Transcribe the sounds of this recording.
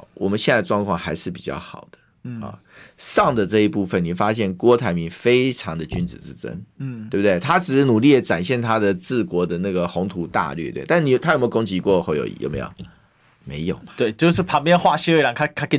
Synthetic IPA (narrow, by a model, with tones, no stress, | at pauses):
wʔɔ̰˨˩mə˦ɕɛ˥˧na˥˩ə˩ʈ͡ʂwɑ˥˧ŋkʰwɑ˥˩ŋxa˧˥ɪʂɻ̩˥˩pi˨˩t͡ɕjɑ̰˥˩ʊxɑ˨˩ʊd̪̥ə̥˦ | ɑ̰˨˩ | ʂɑ˥˩ŋd̪ə˩ʈ͡ʂɤ˥˧i˧˥pu˥˧fə˩ni˨˩fa˥ɕjɛ˥˩nkwɔ˧˥t̪ʰa˧˥ɪmi˧˥ŋfe˥ɪʈ͡ʂʰɑ˧˥ŋd̪ə˨t͡ɕy˥nt͡sɹ̩˨˩t͡sɹ̩˥˩ʈ͡ʂə̰˦n˥˩we˥˩b̚d̪we˥˩ɪt̪ʰa˥ʈ͡ʂɻ̩˨˩ʂ̩˥nu˨˩li˥˩jə˧˩ʈ͡ʂa˨˩nɕjɛ˥˩nt̪ʰa˥d̪ə˨t͡sɹ̩˥˩kwɔ˧˥d̪ə˨na˥˩ɡə˩xʊ˧˥ŋt̪ʰu˧˥t̪a̰˥˧lɥy̰˥˩t̪ni˧˨˩t̪a˥jme˥˧ko˥ŋt͡ɕi˧˥kwɔ˥˩ə˧xo˧˥˩jo̰˨˩˨jo̰˨˩ʊmḛ˧˥jo̰˨˩ʊ | mḛ˧˥ɪjo˨˩ʊmɐ˦t̪we˥˩ɪt͡ɕjo˥˧ʊʂ̬ɻ̩˥˩pʰɑ˧˥ŋpjɛ˥˧nxwa˥˧ɕe˥˨ja˧˥˩ŋkʰkʰa˥kə˥˦